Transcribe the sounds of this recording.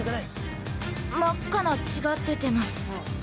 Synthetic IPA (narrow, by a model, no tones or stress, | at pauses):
makːanat͡ɕiɡat̪ːe̞t̪e̞masɨ̥